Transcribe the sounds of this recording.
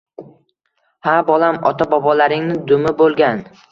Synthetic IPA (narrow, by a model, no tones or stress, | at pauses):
habɒlamɒ̰t̪ʰabɒbɒlaɾɪŋnɪd̪ʊmɪbolˠɡʲan